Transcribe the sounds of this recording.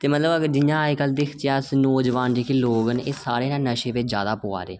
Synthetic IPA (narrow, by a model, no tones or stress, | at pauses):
t̪eːmət̪ləbəɡəɾd͡ʒɪjãːikəld̪ɪkʰt͡ʃɪjaːsnoːd͡ʒʋãːnd͡ʒeːkiːloːɡəneːsaːɾeːnãːnəʃẽːʋɪt͡ʃd͡ʒja̰ːd̪aːpoːa̰ːɾḛː